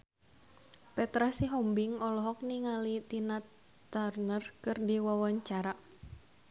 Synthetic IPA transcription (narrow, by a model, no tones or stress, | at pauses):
pɛt̪ɾasiɦɔmbiŋɔlɔɦɔk̚niŋalit̪ina | t̪arnərkɨrdiwawaɲt͡ʃaɾa